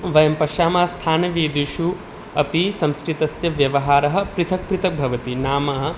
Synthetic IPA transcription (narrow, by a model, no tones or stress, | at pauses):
ʋɐjɐmpɐʃaːmaːst̪ʰaːnɐʋiːd̪iʃu | ɐpisɐ̃mskɾit̪ɐsjɐʋjɐʋɐɦaːɾɐɦɐ̆pɾɪt̪ʰɐk̚pɾɪt̪ʰɐk̚bʱɐʋɐt̪inaːmɐɦɐ̆